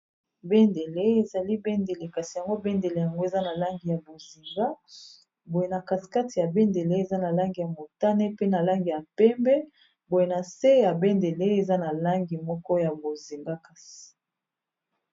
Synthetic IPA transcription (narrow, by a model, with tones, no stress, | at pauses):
be˦nde˨le˦e˨za˨li˦be˦nde˨le˨ka˨si˨ja˨ŋɡo˦be˦nde˨le˨ja˨ŋɡo˦e˨za˦na˨la˦ŋɡi˨ja˨bo˨zi˨ŋɡa˦ | bo˨je˨na˨ka˨ti̥˨ka˦ti˨ja˨be˦nde˨le˦e˨za˦na˨la˦ŋɡi˨ja˨mo˨ta˦ne˦pe˦na˨la˦ŋɡi˨ja˨pɛ˦mbɛ˦ | bo˨je˨na˨se˦ja˨be˦nde˨le˦e˨za˦na˨la˦ŋɡi˨mɔ˦kɔ˦ja˨bo˨zi˨ŋɡa˦ka˨si̥˨